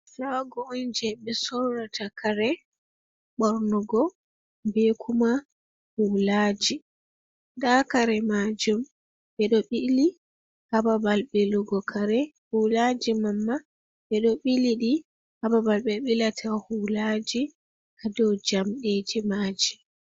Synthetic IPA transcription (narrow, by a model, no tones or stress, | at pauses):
saɡɔɔnd͡ʒɛɓɛsɔwɾatakaɾɛ | ɓɔɾnɔɡɔ | bekʰuma | hulad͡ʒi | dakaɾɛmad͡ʒum | ɓɛɗɔɓili | hababalɓɛluɡɔkʰaɾɛhulad͡ʒimamːa | ɓɛɗɔɓiliɗi | hababalɓɛɓilatʰahulad͡ʒi | ʔadɔwd͡ʒamɗed͡ʒimaːd͡ʒi